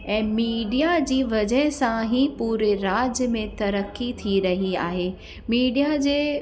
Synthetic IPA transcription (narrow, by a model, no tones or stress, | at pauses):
ɛ̃ːmiːɖijad͡ʑiːʋɐd͡ʑəɦɪsãɦipuːɾeɾaːd͡ʑəmẽt̪ɐɾəkːit̪ʰiɾɐɦia̰ːɦeː | miːɖijad͡ʑeː